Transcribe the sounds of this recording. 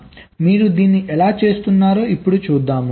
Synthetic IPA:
miːɾud̪iːnːiʔɛlaːt͡ʃe̞ːst̪unːaːɾoːipːuɽut͡ʃuːd̪ːaːmu

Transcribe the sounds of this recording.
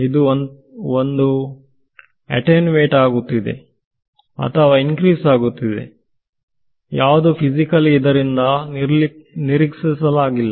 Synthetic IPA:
id̪uon | ond̪u | ɐ̰ʈenʋeːʈaːɡut̪ːid̪ḛ | ɐ̰t̪ʰɐʋaːiŋkɾiːsaːɡut̪ːid̪ḛ | jaːʋd̪upʰid͡ʒikɐlid̪ɐɾind̪ɐnɾniɾiksisɐlaːɡilːɐ

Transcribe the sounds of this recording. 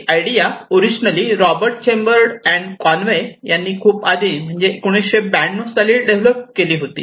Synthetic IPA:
ajɽijaoɾid͡ʑnəliːɾɔbəɾʈ̚t͡ɕembəɾɽɛɳɖkɔnʋejanːiːkʰuːpad̪iːm̤əɳd͡zekoɽ̃eɕebæɳɖnosaliːɖeʋləp̚keliːɦot̪ḭː

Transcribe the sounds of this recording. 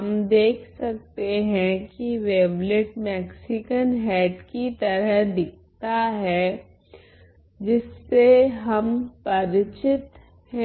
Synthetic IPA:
ɦɐmd̪eːkʰsɐk̚t̪eɦɛ̃kiʋeːʋlɪʈmɛːksɪkənɦɛːʈkit̪ɐɾəɦd̪ɪk̚ʰt̪aɦɛ | d͡ʒɪsːeɦɐmpɐɾɪt͡ʃɪt̪ | hɛ̃

